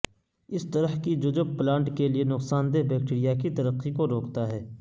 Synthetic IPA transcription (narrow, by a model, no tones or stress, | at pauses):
ɪst̪ɐɾəɦkid͡ʒʊd͡ʒəb̚plãːɳʈkelienʊqsaːnd̪ebɛːk̚ʈiːɾijakit̪ɐɾəqːikoɾoːkt̪aɦɛː